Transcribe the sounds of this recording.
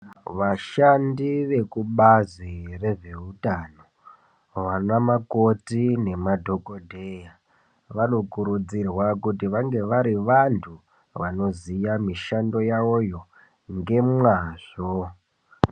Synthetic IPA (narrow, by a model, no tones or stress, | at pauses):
ʋaʃandiʋe̞kuɓazire̞ʐe̞utano̞ | ʋanamakotine̞madʱo̞kodʱeja | ʋano̞kuɾud͡zirwakutiʋaŋɡe̞ʋaɾiʋantʰu | ʋano̞zijamiʃando̞jaojo̞ | ŋɡe̞mwaːʐ̥o